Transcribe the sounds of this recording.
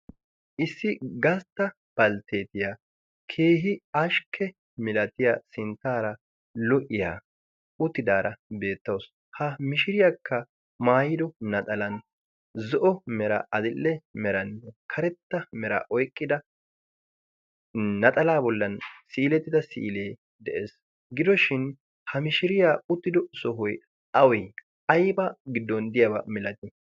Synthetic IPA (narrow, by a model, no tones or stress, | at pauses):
ʔɪsːɪɡɐst̪ːɐ | b̥ɐlt̪ʰe̞ːt̪ɪjaː | kʰe̞ːɦɪɐʃkʰːɛ | mɪlɐt̪ɪjasɪnt̪ːaːɾɐ | lɔʔɪja̰ː | ʊt̪ːɪd̪aːɾɐbe̞ːt̪ːɐws | hɐmɪʃɪɾɪjakʰːɐ | maːjɪd̪ɔnɐt̪ʼɐlɐn | zɔʔɔmɛɾɐ̰ʔɐd̪ɪlːɛmɛɾɐnːɛkʰɐɾɛt̪ːɐmɛɾɐ̰ʔɔjkʼːɪd̪ɐ | ɐt̪ʼɐlaːbɔlːɐnsiːlɛt̪ːɪd̪ɐsḭʔːleː | d̪ɛʔe̞ːs | ɡɪd̪ɔʃɪn | hɐmɪʃɪɾɪjaːʊt̪ːɪd̪ɔsɔɦʊj | ɐwɛj | ɐjbɐɡɪd̪ːɔnd̪ɪjɐbɐ̰mɪlɐt̪ɪ